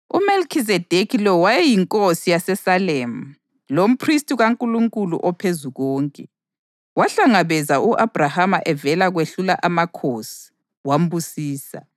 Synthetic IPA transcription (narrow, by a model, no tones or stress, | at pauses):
ṵmelkʰizɛd̥ʱekʰilɔwajɛjiŋkʼosijasɛsalem̩ | lom̩pʰristʼiɣaŋkʼuluŋkʼulṵʔɔpʰezuɣɔːŋkʼɛ | waɬaŋaβɛzauʔab̥ʱrahamaʔɛvɛlaɣweɬulaʔamakʰosi̥ | wam̩busiːsa̰